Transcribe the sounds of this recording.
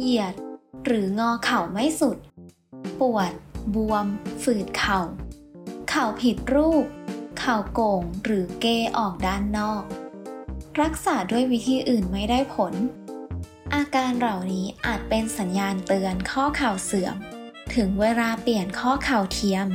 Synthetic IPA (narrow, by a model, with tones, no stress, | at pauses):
ji˨˩ət̪̚ɾɯː˩˦ŋɔː˧kʰa˨˩wma˥˩jsu˨˩t̪̚ | pu˨˩ət̪̚bu˧əmfɯː˨˩t̪̚kʰa˨˩w | kʰa˨˩wpʰi˨˩t̪̚ɾuː˥˩p̚kʰːa˨˩wkoː˨˩ŋɾɯː˩˦keː˧ʔɔː˨˩k̚daː˥˩nːɔː˥˩k̚ | ɾa˦˥k̚saː˩˦du˥˩əjwi˦˥t̪ʰiː˧˩ʔɯː˨˩nma˥˩jda˥˩jpʰo˩˦n | ʔaː˧kaː˧nɾa˨˩wniː˦˥ʔaː˨˩t̪̚pe˧nsa˩˦njaː˧nt̪ɯ˧ənkʰɔː˥˩kʰa˨˩wsɯ˨˩˦əm | t̪ʰɯ˩˦ŋweː˧laː˧pli˨˩ənkʰɔː˥˩kʰa˨˩wt̪ʰi˧əm